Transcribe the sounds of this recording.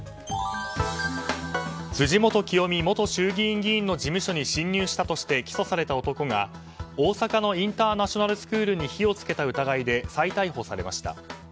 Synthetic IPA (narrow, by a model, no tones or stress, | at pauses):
sɨʑimo̞t̪o̞kʲijo̞mʲimo̞t̪o̞ɕɨːɡʲĩːŋɡʲĩːnːo̞ʑimɯ̟ɕo̞ɲ̟iɕĩɲːɨːɕi̥t̪at̪o̞ɕi̥t̪e̞kʲi̥so̞saɾe̞t̪aot̪o̞ko̞ɡa | o̞ːsakano̞ĩnt̪aːnaɕo̞naɾɯ̟sɨ̥kɯ̟ːɾɯɲ̟içio̞t͡sɨ̥ke̞t̪aɯ̟t̪aɡaid̪e̞sait̪aiɦo̞saɾe̞maɕi̥t̪a̰